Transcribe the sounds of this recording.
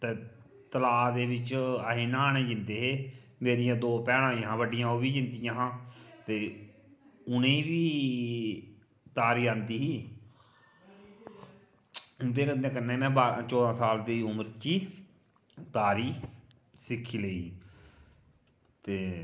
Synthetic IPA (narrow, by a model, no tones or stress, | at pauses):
t̪eː | t̪əlaːd̪eːbɪt͡ʃaɦĩːnãːaːɳẽːd͡ʒɪnd̪eːɦeːmeːɾɪjãːd̪oːpɛːɽ̃ãːɦãːʋəɖɪjãːobiːd͡ʒɪnd̪ɪjãːɦãːt̪eː | ʊnẽːʋiː | t̪aːɾiːãnd̪iːɦiː | ʊnd̪eːkənd̪ẽːkənːeːmɛ̃ːbaːt͡ʃɔːd̪ãːsaːld̪iːʊməɾt͡ʃiː | t̪aːɾiː | sɪkʰːiːləiːɦiː | t̪eː